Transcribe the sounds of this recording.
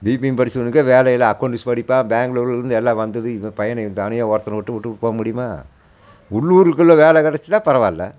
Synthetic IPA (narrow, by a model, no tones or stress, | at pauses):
biːpɪmpɐɽɪt͡ʃːɯɐnːɯkːɐʋeːlɐjɪlɐɐkːɐɳɖɯspɐɽɪpːãːbaːŋɡloɾɪlɪɾɯnd̪ɯɛlːãːʋɐnd̪ɐðɯpɐjɐnɐɯt̪ɐnɪjaɔːɾɐt̪ːɐnɐʋɔʈːɯʋʊʈːɯpoːɐmʊɽɪjɯmaː | ʊɭːuːɾɯkːɯɭːoːʋeːlɛkɐɽɐt͡ʃːɯt̪ːãːpɐɾɐʋaːlːɐ̰